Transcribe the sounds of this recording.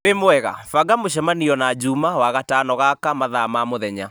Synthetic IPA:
emoɛɣa̰faɡamoʃ̬ɛmaniɔnad͡ʑumawaɣatanɔɣakamaðamamoðɛɲa̰

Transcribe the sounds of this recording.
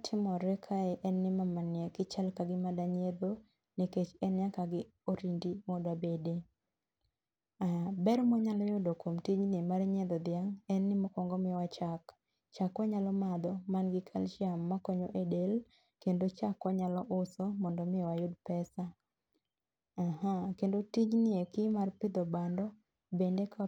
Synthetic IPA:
tʰɪmɔɾɛkʰaɛʔɛnːɪmamanjɛkɪt͡ʃalkaɡɪmadaɲed̪o | niket͡ʃɛnjakaɡɪ | oɾindimɔdabede | abɛɾmɔɲalɔjʊdokomtid͡ʒnɪmaɾɲed̪ɔd̪jaŋɛnːɪmɔkɔŋɡɔmɪwat͡ʃak | t͡ʃakːɔɲalɔmad̪ɔmanɡɪkʰalʃamːakɔɲoʔedel | kendot͡ʃakwɔɲalɔʔʊsɔmɔndɔmɪɔwajʊdpɛsa | hakendotid͡ʒnɪekimarpɪd̪ɔbandɔ | bendeka

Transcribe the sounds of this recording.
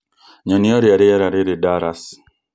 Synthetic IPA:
ɲɔniɔɾɪaɾɪɛɾaɾɪɾɪdaɾas

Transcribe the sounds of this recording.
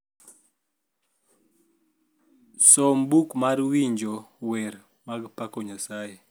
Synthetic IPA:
sɔmbukmaɾwiɲd͡ʒowɛɾ | maɡpakɔɲasaje

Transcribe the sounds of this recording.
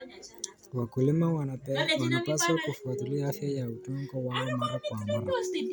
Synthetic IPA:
wakulimawanwanapaswakufat̪ulihafjajautɔŋɡɔwaɔmaɾakwamaɾa

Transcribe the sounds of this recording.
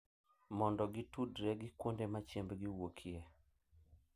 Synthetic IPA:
mɔndɔɡɪtudɾɛɡɪkwondemat͡ʃjembɡɪwokʰjɛ

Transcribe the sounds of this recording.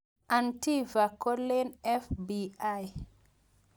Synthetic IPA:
ʔantivakolːɛnɛfbiaj

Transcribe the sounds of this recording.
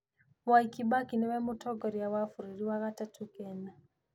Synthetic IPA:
waikibakinewɛmʊtʰɔɡɔɾjawafuɾiɾiwaɣatatʰukɛna

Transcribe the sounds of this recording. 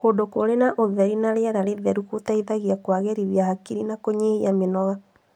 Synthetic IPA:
koːdokoɾenaʔoðɛɾinaɾeɛɾaɾeðɛɾukotaiðaɣiakwaɣɛɾiβjahakiɾinakoɲehiamenɔɣa

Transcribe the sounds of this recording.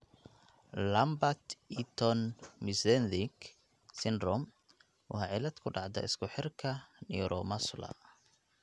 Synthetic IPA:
lɐmbat̪it̪ʰɔnmɪsɛnd̪ik | sɪndrɔm | wʊ̰hɑʕɪlɐd̪kʰʊɖɑʕd̪ɐ̰ɪ̰skʰʊħɪrkʰɐnɛ̰ɾʔɔmɐslɐ̰

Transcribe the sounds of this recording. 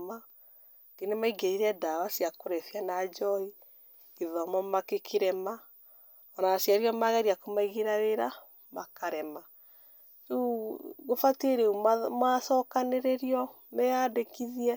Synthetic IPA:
ma | ɡ̥enemaiɡeiɾɛdawasijakoɾɛfjanad͡ʒɔi | ɡeðamɔmakekʰeɾɛma | ɔnaasjaɾiɔmaɣɛɾiakomaiɣeɾaweɾa | makaɾɛma | uɣofateɾeummasɔkaneɾeɾiɔ | mɛadekiðiɛ

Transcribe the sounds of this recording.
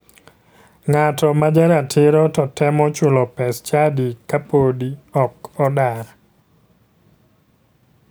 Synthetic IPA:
ŋatɔmad͡ʒaɾatʰɪɾɔtɔtɛmɔt͡ʃʊlɔpɛst͡ʃadikapodiɔkːɔdaɾ

